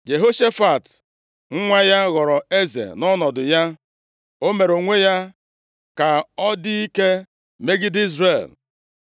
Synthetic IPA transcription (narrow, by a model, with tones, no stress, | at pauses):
d͡ʒe˨ɦo˦ʃe˦fa˨t | ŋ̩˦ŋʷa˦ja˦ɣɔ˨ɾɔ˨e˦zḛ˨nɔ˦nɔ˨dʊ˨ja˦ | o˦me˨ɾo˨ŋʷe˦ja˦ | ka˨ɔ˦dɪ˦i˦ke˦ | me˦ɡi˦di˦zɾe˦˨l